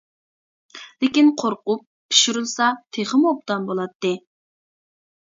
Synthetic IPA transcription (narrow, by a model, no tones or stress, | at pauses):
lekʲinqʰoɾqʊp̚pʰːi̥ʃiɾulˠsɑt̪ʰeχəmop̚t̪ɑnbolˠɑt̪ːɨ